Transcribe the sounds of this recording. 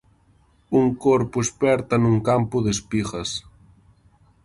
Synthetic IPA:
uŋkoɾpʊespɛɾt̪ɐnuŋkampʊðespiɣɐs

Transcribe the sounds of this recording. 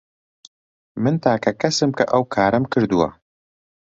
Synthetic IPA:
mɨnt̪ʰaːkʰɐkʰɐsɨmkʰɐ̰ʔɐwkʰaːɾɐmkʰɨɾd̪uwɐ̰

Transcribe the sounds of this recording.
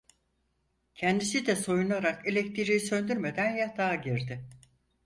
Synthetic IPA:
cʰɛnd̪is̬id̪ɛso̞junaɾakelʲɛc̚t̪ʰiɾijisø̞nd̪yɾmed̪ænjat̪ʰaːɟiɾd̪ɪ

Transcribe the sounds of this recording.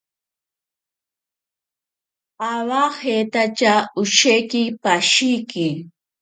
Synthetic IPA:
awahet̪at͡ʃaʊʃejkɪpaʃijkɪ

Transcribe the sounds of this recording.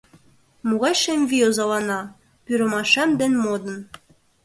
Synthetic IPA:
muɣɑjʃemʲvʲiozɑlˠɑnɑ | pyɾɤ̆mɑʃæmd̪enmod̪ɤ̆n

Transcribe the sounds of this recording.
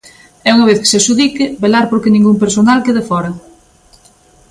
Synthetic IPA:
ɛuŋɐβ̞eθke̥sesuðikɪbelaɾpoɾkenĩŋɡumpeɾsonalkeðefɔɾɐ

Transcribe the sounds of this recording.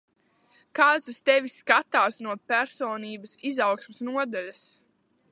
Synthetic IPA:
kaːt̪sust̪ɛviskat̪aːsnuɔpæɾsɔːniːbɐsizawksmɪsnuɔd̪alʲas

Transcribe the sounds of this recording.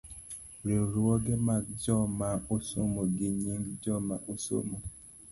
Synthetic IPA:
ɾeɾɔɡɛmad͡ʒɔmaosomoɡiɲiŋɡd͡ʒɔmaʔoso̰mo

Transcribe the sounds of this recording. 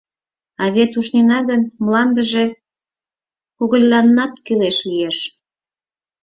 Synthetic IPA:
ɑβet̪uʃnenɑɣənmlɑnd̪əʒe̽ | kuɣəlʲːɑnːɑt̪kyleʃlijeʃ

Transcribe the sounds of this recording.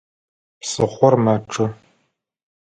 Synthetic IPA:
psɨχʷɔrmaʈ͡ʂʼɨ

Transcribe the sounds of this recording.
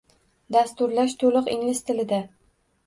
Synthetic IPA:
d̪ast̪ʊɾlaʃt̪ʰolˠʊqɪŋlɪst̪ʰɪlɪd̪a

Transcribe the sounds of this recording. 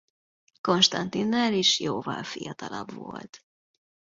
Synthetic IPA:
ko̞nʃt̪ɒnt̪inːaɾiʃjoːvɒlfijɒt̪ɒlɒbvo̞lt̪

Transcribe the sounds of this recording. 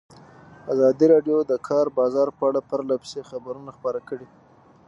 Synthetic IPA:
azɑd̪iɾɑɖjod̪əkʰɑɾbɑzɑɾpəaɽapəɾlapsexabaɾunaxpəɾakəɽi

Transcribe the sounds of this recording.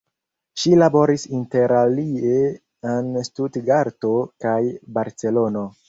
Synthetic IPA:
ʃilabo̞ɾisinte̞ɾalie | enstudɡaɾto̞kajbaɾt͡se̞lo̞no̞

